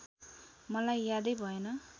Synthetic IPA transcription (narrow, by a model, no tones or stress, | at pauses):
mʌlajːad̪ʌjbʱʌenʌ